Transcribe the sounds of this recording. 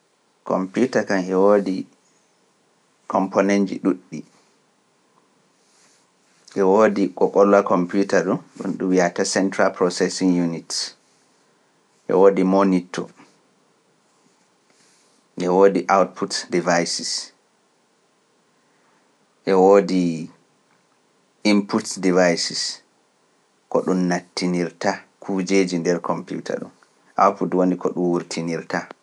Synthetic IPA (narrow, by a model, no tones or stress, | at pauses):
kɔ̰mpjutakamɛwoːdi | kʰɔmponɛnd͡ʒḭɗuɗːi | ʔɛwoːdikɔkɔlːakʰɔmputaɗunɗṵnɗuwiatasɛntɾalpɾɔsɛsiŋjunit | ʔɛ̰woːdimonitʰːɔ̰ | ʔɛwoːdiʔawt̚pʰutdivajsis | ʔɛwoːdi | imputdivajsis | kɔɗunːatːiniɾtakʰud͡ʒeːd͡ʒindɛɾkʰɔmpjṵtʰa̰ɗṵn | ʔa̰wtputwonikɔɗunwuɾtʰiniɾta